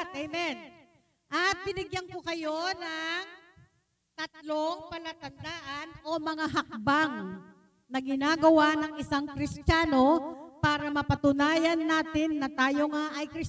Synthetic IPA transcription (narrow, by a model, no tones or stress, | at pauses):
t̪̚ʔɛjmɛn | ʔɐt̪̚bɪnɪɡjɐŋkokɐjo̞nɐŋ | t̪ɐt̪̚loŋpɐlɐt̪ɐnd̪aːʔɐnʔo̞mɐŋaɦɐk̚baŋ | nɐɡɪnaːɡɐwanɐŋʔɪsaŋkɾɪst͡ʃ̪aːno̞paːɾɐmɐpɐt̪ʊnaːjɐnːaːt̪ɪnːɐt̪aːjo̞ŋaʔɐjkɾɪ